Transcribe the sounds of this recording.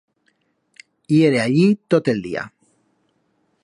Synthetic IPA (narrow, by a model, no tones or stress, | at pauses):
jeɾeaʎit̪ot̪eld̪ḭa̰